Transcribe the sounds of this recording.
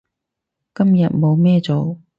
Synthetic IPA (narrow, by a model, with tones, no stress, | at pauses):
kɐ˥mjɐ˨t̚mo˨˧wmɛː˥t͡so˨w